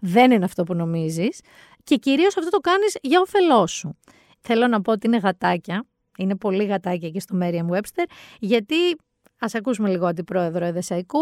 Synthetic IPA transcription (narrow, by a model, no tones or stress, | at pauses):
ðe̞nineɐft̪o̞puno̞mizis | ce̞ciɾio̞sɐft̪ot̪o̞kɐnizʝɐofe̞lo̞su | θe̞lo̞nɐpo̞ot̪iine̞ɣɐt̪ɐcɐ | ine̞po̞liɣɐt̪ɐcɐcest̪o̞meɾiɐmwe̞pst̪e̞ɾʝɐt̪i | ɐsɐkusume̞liɣoɐd̪ipɾo̞e̞ðɾoeðesɐiku